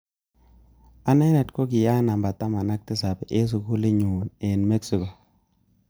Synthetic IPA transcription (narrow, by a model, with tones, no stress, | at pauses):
a˦na˦jna˨tko˦ɡɪ˨ja˦na˨mba˨t̪a˦ma˨na˦k̚tɪ˦sa˨pɛ˨ʔe˦s̬u˨ku˦le˦ɲu˨ne˨nme˦ksi˨ko˨